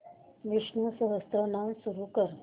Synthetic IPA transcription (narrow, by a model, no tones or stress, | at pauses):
ʋɪʃnusəɦəst̪ɾənãsuɾukəɾ